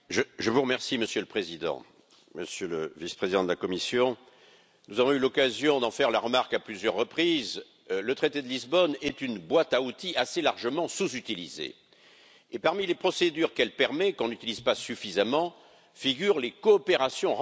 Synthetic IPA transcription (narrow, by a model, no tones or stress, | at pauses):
ʒəʒəvuʁəmɛʁsiməsjøləpχezid̪ɑ̰̃ | məsjøləvispχezid̪ɑ̃d̪əlakɔmisjɔ̃ | nuzavɔ̃ylɔkazjɔ̃d̪ɑ̃fɛʁlaʁəmaʁkaplyzjœʁːəpχiz | lət̪χet̪ed̪əlizbɔnɛt̪ynbwat̪aut̪iaselaʁʒəmɑ̃suzyt̪ilizḛ | epaʁmilepχɔsed̪yʁkɛlpɛʁmɛkɔ̃nyt̪ilizpasyfizamɑ̃ | fiɡʲyʁlekɔːpeʁasjɔ̃